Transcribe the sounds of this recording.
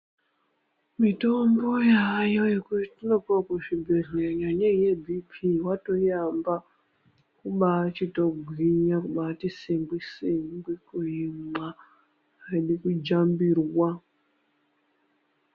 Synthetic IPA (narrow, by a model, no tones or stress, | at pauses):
mito̞mbo̞jajo̞je̞kutitinopwakuʐibʱeɮeɲaɲejebʱipʰiwato̞jamba | kuɓaːt͡ʃito̞ɡʱwiɲakuɓaːtisiŋɡwisiŋɡwikuima | aiɗikud͡ʒambirwa